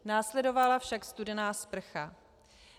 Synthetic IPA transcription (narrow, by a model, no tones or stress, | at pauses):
naːslɛdo̞valafʃakst̪udɛnaːspr̩xa